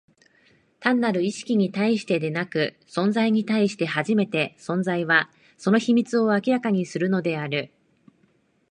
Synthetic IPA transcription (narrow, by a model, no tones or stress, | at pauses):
t̪ãnːaɾɯ̟iɕi̥kʲiɲ̟it̪aiɕi̥t̪e̞d̪e̞nakɯ̟ | sõ̞nd͡zaiɲ̟it̪aiɕi̥t̪e̞ɦaʑime̞t̪e̞sõ̞nzaiβa | so̞no̞çimʲit͡sɨo̞akʲiɾakaɲ̟isɨɾɯ̟no̞d̪e̞aɾɯ̟